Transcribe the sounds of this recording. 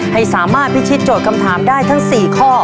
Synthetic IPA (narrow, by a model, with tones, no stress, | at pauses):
ha˥˩jsaː˩˦maː˥˩t̪̚pi˦˥t͡ɕʰi˦˥t̪̚t͡ɕoː˨˩t̪̚kʰa˧mt̪ʰaː˩˦mdaː˥˩jt̪ʰa˦˥ŋsiː˨˩kʰɔː˥˩